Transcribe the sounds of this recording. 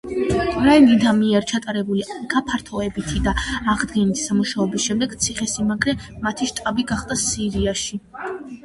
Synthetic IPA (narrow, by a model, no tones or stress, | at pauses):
kʼɾainid̪amiɛɾt͡ʃʰat̪ʼaɾɛbuliɡ̥apʰaɾt̪ʰɔɛbit̪ʰid̪aːʁd̪ɡɛnit̪ʰi̥samuʃaɔbisʃɛmd̪ɛɡt̪sʰiχɛsimaɡɾɛmat̪ʰiʃt̪ʼabiɡaχd̪asiɾiaʃi